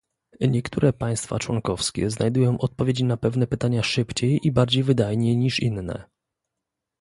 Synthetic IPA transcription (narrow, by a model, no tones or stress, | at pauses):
ɲɛkt̪uɾɛpaj̃st̪fa̰t͡ʂwɔnkɔfskʲḛznajd̪ujɔ̃w̃ʔɔt̪̚pɔvʲed͡ʑinapɛvnɛpɘt̪aɲaʂɘpt͡ɕejibaɾd͡ʑejvɘd̪ajɲejɲiʂinːɛ̰